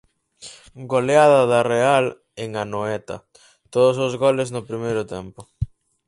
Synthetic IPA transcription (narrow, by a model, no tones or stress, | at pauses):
ɡoleaðɐðɐreal | eŋanoɛt̪ɐ̰ | t̪oðʊsʊzɣolɪznʊpɾimejɾʊt̪ɛmpʊ